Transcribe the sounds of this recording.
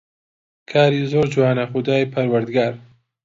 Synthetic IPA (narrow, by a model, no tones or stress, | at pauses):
kʰaːɾizoːɾd͡ʒuwaːnɐxʊd̪aːjpʰɐɾwɐɾd̪ɡaːɾ